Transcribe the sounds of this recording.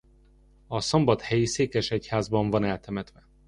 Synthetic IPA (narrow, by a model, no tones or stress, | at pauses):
ɒso̞mbɒt̪hɛjiseːkɛʃɛchaːzbɒɱvɒnɛlt̪ɛmɛt̪ʋɛ